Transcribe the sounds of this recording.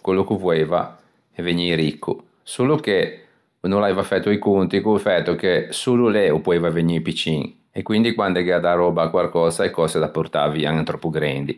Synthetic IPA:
kwelːukuvoeːva̰ | ɛveɲiɾikːṵ | suːluke | nõnlaeːvafɛt̪ːuikunt̪ikufɛt̪ːukesuːluleopɔeːvaveɲiːpit͡ʃiŋ | ekːwind̪ikwand̪eɡɛad̪arɔːbakwaɾkɔːsaekɔsed̪apːort̪a̰ːvia̰ŋt̪ɾɔpːuɡɾɛ̰nd̪i

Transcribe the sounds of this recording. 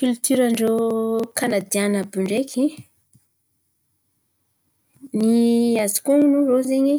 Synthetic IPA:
kylt̪yɾaɳɖ͡ʐokʰanad̪ianabuɳɖ͡ʐekʰi | niazi̥kuŋunuzozeɲi

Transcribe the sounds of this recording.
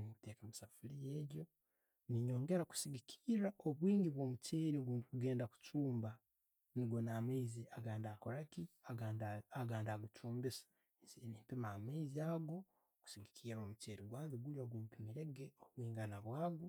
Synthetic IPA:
nimuteːkamisafulijeːɟo̞ | niɲo̞ːŋɡe̞ɾaku̥siɡikʰi̥ːɾaoβwiːŋɡiβwo̞muceːɾiɡukuɡe̞ːndaku̥t͡ʃuːmba | niɡwo̞nameiziaɡaːndaːkoɾakiaaaɡaːndaɡut͡ʃʰuːmbisḁ | snimpimaameiziaːɡo̞ | ku̥siɡikʰiːɾo̞muceːɾiɡwaːnziɡuljoɡwomupimiɾe̞ɡeoβwiːŋɡanaβwaːɡo

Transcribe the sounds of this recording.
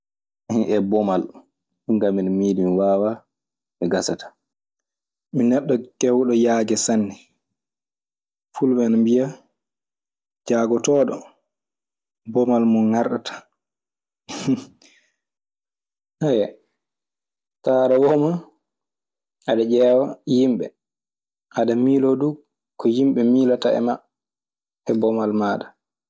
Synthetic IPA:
hinʔɛbɔmal | uŋɡamːinmiːdimwaːwa | miɡasatḁ | minɛɗːɔkɛwɗɔjaːɡɛsanːi | fulbɛnambija | d͡ʒaːɡɔtɔːɗɔ | bɔmalmunŋaɾɗatḁ | hajɛ | taːɾawɔma | aɗad͡ʒɛwajimɓɛ | ʔaɗamiːlodu | kɔjimɓɛmiːlataɛ̰ma | ɛbɔmalmaːɗa

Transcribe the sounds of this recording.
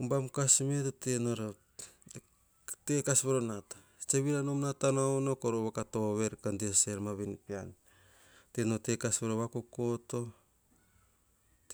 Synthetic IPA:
umbamkasmetotenoɾo | tekasβeɾonatḁ | t͡ʃeβiɾanomnatanownokoɾoβakatoβe̞ɾkandiaseɾmaβinpian | tenote̞kasβeɾoβakoko̞to̞

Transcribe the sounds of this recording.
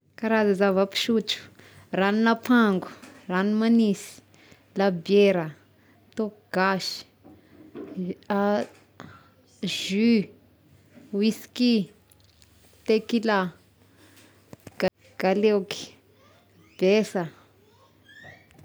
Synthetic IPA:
kaɾazazavapi̥ʃut͡ʃu̥ | raninapʰaŋɡu̥ranimanisi̥ | labjeɾə | t̪oɡ̥aʃi̥ | a | ʒy | wisi̥ki | t̪ekila | ɡ̥alewki̥ | b̥esə

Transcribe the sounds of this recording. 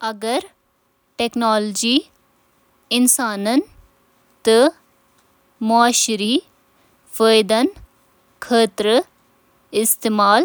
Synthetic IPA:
ɐɡəɾ | ʈeknaːld͡ʒiː | ɪnsaːnɐn | t̪ə | mɔaːʃɾiː | fəːjd̪ɐn | kʰəːt̪ɾə | ɪst̪eːmaːl

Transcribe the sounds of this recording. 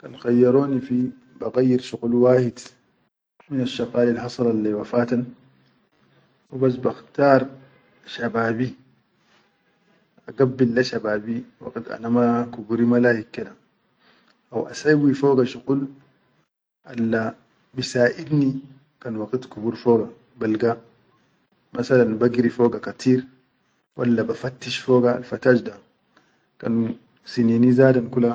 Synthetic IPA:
kanxajːɑɾoːnifi | baɣajːiɾʃuɣulwaːhid̪ | minaʃːɑɣaːlilɦɑsˤɑlalːawafaːt̪an | wibas̬baxt̪ɑːɾˤ | ʃabaːbi | ʔaɡabːilːaʃabaːbiwa̰ɡit̪ʔa̰namakubuɾimalaːhikːad̪a | ʔawʔa̰sajwifoːɡaʃuɡul | ʔalːa | bisaːʔid̪ni | kanwaɡit̪kubuɾfoːɡa | balɡa | masalanbaɡiɾifoːɡakat̪ʰiːɾ | wʔa̰lːabafat̪ːiʃfoːɡaa̰lfat̪aːd͡ʒda | kan | sininizaːdankula

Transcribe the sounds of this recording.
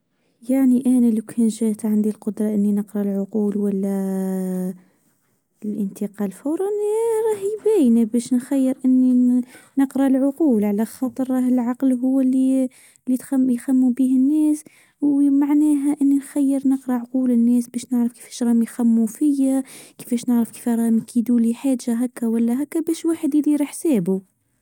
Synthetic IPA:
jaʕniʔæːnælawkʰæːnʒæːt̪ʕand̪ilqʊd̪ɾˤɑʔɪnːinəqɾɑlʕʊquːlwælːæ | lʔənt̪əqɑːlfawɾˤɑnɾˤɑːhjbæːjnabæːʃnxæjːəɾʔɪnːinəqɾɑlʕʊquːlʕalæxɑt̪ˤəɾˤɾˤɑɦɪlʕɑqlɦʊwːalːi | lːit̪xmjxæmːubiːhɪnːɛːs | wmaʕnæːɦæʔɪnːinxæjːəɾnəqɾˤɑʕʊquːlɪnːɛːsbɛːʃnəʕɾəfki̥fɛ̥ːʃɾˤɑːmijxæmːufɪjːaki̥fɛːʃnəʕɾəfki̥fæɾˤɑːhmikʰid̪uliħaːʒaɦækːæwælːæɦækːæbæːʃwaːħəd̪ɪliɾˤɑħsɛːbu

